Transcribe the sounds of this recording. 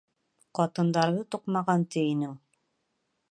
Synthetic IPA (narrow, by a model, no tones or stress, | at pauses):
qɑt̪ɤ̆nd̪ɑɾðɤt̪uqmɑʁɑnt̪ɘ̆inɘŋ